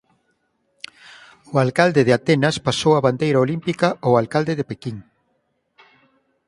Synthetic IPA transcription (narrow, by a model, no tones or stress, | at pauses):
ʊalkald̪eðeat̪enaspasowaβand̪ejɾaolimpikaoalkald̪eðepekiŋ